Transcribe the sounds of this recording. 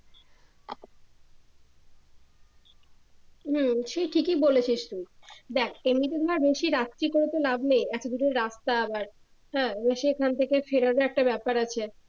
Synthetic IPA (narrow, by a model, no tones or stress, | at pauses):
ɦm̩ːʃeʈʰikibolet͡ɕʰiʃt̪ud̪ɛkʰemit̪ed̪ʱaaɾbeʃiɾat̪ːikoɾet̪elabnejɛt̪od̪uɾeɾːast̪aabaɾ | ɦɛ̃ːbeʃikʰant̪ʰekefeɾaɾoɛk̚ʈabɛpaɾat͡ɕʰe